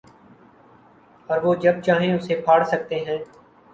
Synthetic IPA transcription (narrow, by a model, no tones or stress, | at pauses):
ɔːɾʋoːd͡ʒɐb̚t͡ʃaːɦẽʊseːpʰaːɽsək̚t̪eːɦɛ̃ː